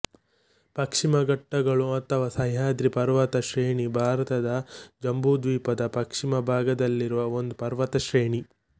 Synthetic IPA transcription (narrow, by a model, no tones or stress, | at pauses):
pɐkʂimɐɡɐʈːɐɡɐɭuɐt̪ʰːɐʋɐsɐjɦaːd̪ɾipɐɾʋɐt̪ɐʃɾeːɳibʱaːɾɐt̪ɐd̪ɐd͡ʒɐmbʱud̪ʋiːpɐd̪ɐpɐkʂimɐbʱaːɡɐd̪ɐlːiɾuʋɐo̞nd̪upɐɾʋɐt̪ɐʃɾeːɳi